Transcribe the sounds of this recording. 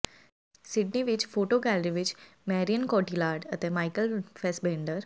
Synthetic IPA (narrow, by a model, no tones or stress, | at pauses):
sɪɖniʋɪt͡ʃpʰoːʈoːɡɛːlɾiʋɪt͡ʃmɛːɾijənkɔːʈiːlaːɾɖət̪eːmaːɪkəlpʰɛːsbẽːɳɖəɾ